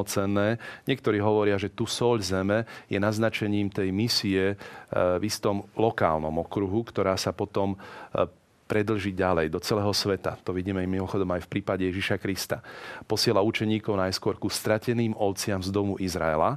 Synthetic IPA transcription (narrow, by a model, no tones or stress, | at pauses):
ɔt͡sɛnːɛːɲɪɛkt̪ɔɾiːɦɔʋɔɾɪaʒɛt̪usɔʎzɛmɛjɛnaznat͡ʃɛɲiːmt̪ɛjmisiɛ | vist̪ɔmlɔka̰ːlnɔ̰mɔkɾuɦukt̪ɔɾaːsapɔt̪ɔm | pɾɛd̪l̩ʒiːɟalɛjd̪ɔt͡sɛlɛːɦɔsʋɛt̪a̰t̪ɔʋiɟiːmɛajmimɔxɔd̪ɔmajfpɾiːpaɟɛjɛʒiʃakɾist̪apɔsɪɛlaut͡ʃɛɲiːkɔʊnajskʊɔɾkust̪ɾacɛniːmɔʊt͡sɪamzd̪ɔmuʔizɾa̰ɛ̰la̰